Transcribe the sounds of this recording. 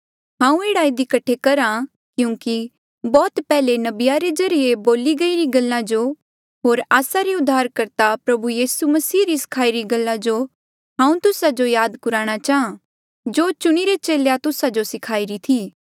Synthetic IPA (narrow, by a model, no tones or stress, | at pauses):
ɦãːũeːɽaːid̪ikɐʈʰːekɐɾã | kjũːki | bɔːt̪pɛːlenɐbɪjaɾezɐɾijeboːliɡɐiɾiɡɐlːãd͡ʒo | ɦoːɾaːsaɾeʊd̪ʱːaːɾkɐɾt̪apɾɐbujiːsumɐsiːɾisɪ̥kʰaːiɾiɡɐlːad͡ʒo | ɦãːũt̪ʊsad͡ʒojaːd̪kʊɾaːɽ̃at͡ʃaːã | d͡ʒoːt͡ʃʊɽ̃iɾet͡ʃeːlejat̪ʊsad͡ʒosɪkʰaːiɾit̪ʰiː